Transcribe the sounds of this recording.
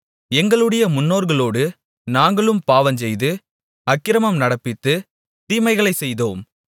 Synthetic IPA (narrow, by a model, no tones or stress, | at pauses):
ɛŋɡɐɭɯɽɐjɐmʊnːoːɾɣɐɭoːɽɯ | naːŋɡɐɭɯmpaːʋɐnsɛjðɯ | ɐkːɪɾɐmɐmnɐɽɐpːɪt̪ːɯ | t̪iːmɐɪɣɐɭɐɪsɛjðoːm